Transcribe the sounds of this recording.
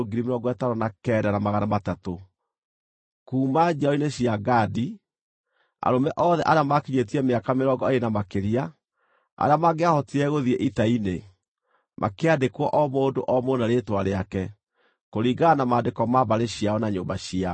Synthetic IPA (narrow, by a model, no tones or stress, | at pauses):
oɡiɾimeɾɔɡɔɛtaɾɔnakɛːdaɾamaɣanamatato | kuːmad͡ʒɔineɕiaɡaːdi | a̰ɾomɛʔɔðɛʔaɾeamakiɲet̬iɛmeakameɾɔɡɔeenamakeɾia | a̰ɾeamaɡeahɔtiɛɣoðiɛʔitaine | mʔa̰keadekwɔʔɔmoːndoʔɔmonaɾeːtwaɾeakɛ | koɾiːɡanamaːndekɔmaβaɾeɕiaɔnaɲoːmbaɕia